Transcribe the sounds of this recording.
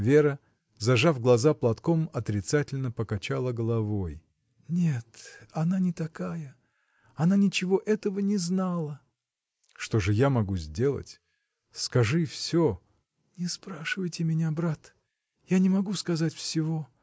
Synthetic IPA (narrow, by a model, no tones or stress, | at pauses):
vʲe̞ɾə | zɐʐavɡlˠɐzaplˠɐt̪komɐt̪ɾʲɪt̪satʲɪlʲnəpəkɐt͡ɕalˠəɡəlˠɐvo̞j | nʲe̞t̪ɐnanʲɪt̪ɐkajə | ɐnanʲɪt͡ɕɪvo̞ʔɛt̪əvənʲɪznalˠə | ʂt̪o̞ʐɨjamɐɡuzʲdʲe̞lˠə̰tʲ | skɐʐɨfsʲo | nʲɪspɾaʂɨvəjtʲɪmʲɪnʲabɾat̪ | janʲɪmɐɡuskɐzatʲfsʲɪvo̞